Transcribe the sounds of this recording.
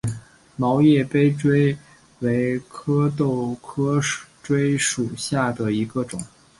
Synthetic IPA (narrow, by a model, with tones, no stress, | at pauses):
mɑ˧˥ʊjɛ˥˩pe˥ɪʈ͡ʂwe˥ɪ | we˧˥ɪkʰɤ˥t̪o˥˩ʊkʰɤ˥ʈ͡ʂwe˥ɪʂu˨˩ɕja˥˩d̪ə˩i˧˥ɡə˧ʈ͡ʂʊ̰˨˩˦ŋ